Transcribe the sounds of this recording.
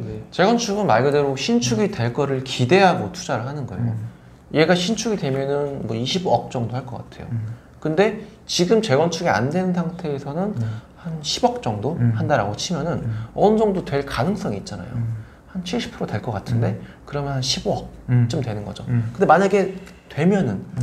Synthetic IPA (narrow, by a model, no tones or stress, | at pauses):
et͡ɕe̞ɡwʌnt͡ɕʰuɡɯnmaɭɡɯdeɾoɕʰint͡ɕʰuɡite̞ɭk͈ʌɾɯɭkide̞ɦaɡotʰu̥d͡ʑaɾɯɭɦanɯnɡʌ̰ḛjo | ieɡaɕʰint͡ɕʰuɡidwe̞mjʌnɯnmwʌiɕʰiboʌk̚t͡ɕ͈ʌŋdohaɭk͈ʌk͈atʰe̞jo̰ | kɯnde̞ | t͡ɕiɡɯmt͡ɕe̞ɡwʌnt͡ɕʰuɡia̰ndwe̞nɯnsʰaŋtʰe̞ːsʰʌnɯnhanɕʰibʌk̚t͡ɕ͈ʌŋdohandaɾaɡot͡ɕʰimjʌnɯnʌnɯd͡ʑʌŋdotwe̞ɭkanɯŋs͈ʌŋiːt̚t͡ɕ͈ana̰jo̰ | hant͡ɕʰiɭɕ͈ʰi̥pʰɯɾoteɭk͈ʌk͈atʰɯnde̞ | kɯɾʌmjʌnɦanɕʰibʌk̚t͡ɕ͈omtwe̞nɯnɡʌd͡ʑokɯnde̞maɲaɡe̞ | twe̞mjʌnɯn